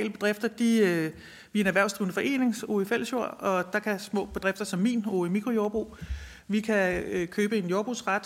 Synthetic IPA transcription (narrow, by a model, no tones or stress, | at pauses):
ləb̥e̝d̥ʁefd̥ɐd̥i | ʋinæʋæɐ̰sd̥ʁiʊnəfɒ̽ʔe̝̰ːne̝ŋso̰ifel̰sjo̝ɐ̰ɒ̽d̥ɑ̈kʰæsmɔ̰̽ːb̥e̝d̥ʁefd̥ɐsɒ̽mːḭːno̰ːimikʰʁo̝jo̝ːɐb̥ʁṵː | ʋikʰækʰøːb̥əe̝njo̝ːɐb̥ʁṵːsʁäd̥